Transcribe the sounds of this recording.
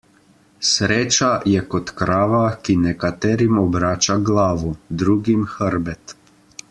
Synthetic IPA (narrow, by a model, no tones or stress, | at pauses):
sɾeːt͡ʃajɛkɔt̪kɾaːʋakinɛkat̪ɛːɾimɔbɾaːt͡ʃaɡlaːʋud̪ɾuːɡimxəɾbɛt̪